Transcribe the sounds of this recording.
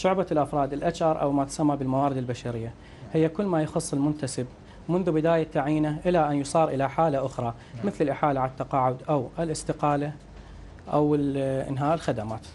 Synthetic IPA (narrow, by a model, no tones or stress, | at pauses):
ʃʊʕbalʔafɾˤɑːd̪ɪlʔat͡ʃʔɑɾˤʔa̰wmat̪samːabɪlmawaːɾɪd̪ɪlbaʃaɾɪjːa | hɪjːakʊlːmajxʊsˤːɪlmʊnt̪asɪb | mʊnðubɪd̪aːjat̪ːaʕiːnaʔɪlaʔanjsˤɑːɾˤʔɪlaħaːlaʔʊxɾˤɑ | mɪθlɪlʔɪħaːlaʕaat̪ːɑqɑːʕʊd̪ʔawʔɪlʔɪst̪ɪqɑːla | ʔa̰wɪʔɪ̰nɦaːʔɪlxad̪amaːt̪